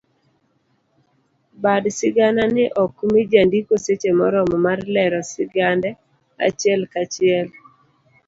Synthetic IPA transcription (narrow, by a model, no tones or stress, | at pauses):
badsɪɡananɪʔɔkumid͡ʒandikoset͡ʃemɔɾɔmɔmarlɛɾɔsɪɡandɛ | a̰t͡ʃɪɛlkat͡ʃɪɛl